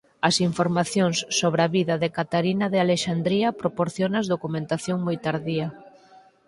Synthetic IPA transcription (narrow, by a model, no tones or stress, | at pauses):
ɐsiɱfoɾmaθjoŋsːoβɾɐβiðɐðekat̪aɾinɐðɪaleʃand̪ɾiɐpɾopoɾθjonɐzðokumẽnt̪aθjoŋmojt̪aɾðiɐ